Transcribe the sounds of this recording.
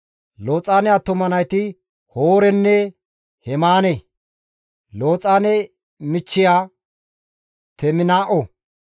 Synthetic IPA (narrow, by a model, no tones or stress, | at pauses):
loːt͡sʼaːnɛjaːt̪ʊmɐnɐjt̪ɪ | hoːɾɛnːɛ | hɛmaːnɛ | lo̞ːt͡sʼaːnɛ | mɪt͡ʃːɪjaː | t̪ɛmɪnaːʔɔ